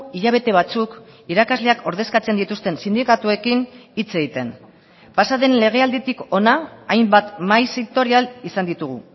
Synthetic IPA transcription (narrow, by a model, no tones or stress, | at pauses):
iʎaβ̞e̞t̪e̞β̞at͡sukiɾakazle̞akʰo̞ɾðe̞skat͡se̞nd̪it̪ust̪e̞nsind̪ikat̪ue̞kinit͡se̞ɣit̪e̞n | pasaðe̞nle̞ɣ̞e̞ald̪it̪iko̞naːjmbat̪majsiŋt̪o̞ɾialisand̪it̪uɣ̞ṵ